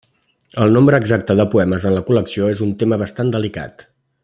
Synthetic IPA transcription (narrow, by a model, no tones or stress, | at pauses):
əlˠnombɾəːɡzak̚t̪əðəpuɛməzənləkuləksioezunt̪eməβəst̪and̪əlika̰t̪